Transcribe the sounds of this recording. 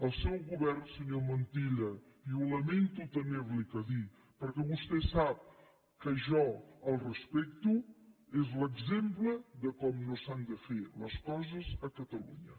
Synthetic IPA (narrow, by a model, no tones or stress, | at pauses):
əlˠsɛwɣuβɛɾnsəɲomənt̪iʎə | iuləment̪ut̪əmeβlikəði | pəɾkɛβust̪ɛsap̚ | kəʒɔəlˠrəspɛk̚t̪uezləɡzempləðəkɔmnosand̪əfeləskɔzəzəkət̪əlṵɲə